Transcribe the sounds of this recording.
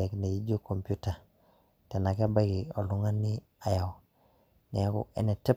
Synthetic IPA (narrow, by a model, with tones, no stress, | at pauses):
ɛ˨kne˨ji˦d͡ʒo˦ko˨mpju˦ta˨ | tɛ˨na˨kɛ˦ba˦ɡi˨ɔ˨lʊ˦ŋa˦nɪ˦ | a˨ja˨w | nɛ˨a˦kṵ˦ɛ̰˨nɛ˨tɛ˦